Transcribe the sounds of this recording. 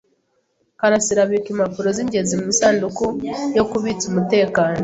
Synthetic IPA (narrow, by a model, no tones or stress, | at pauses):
kaɾasiɾaβikimapuɾoziɲɟezimumisaːndukojo̞kuβit͡sumute̞ːkaːno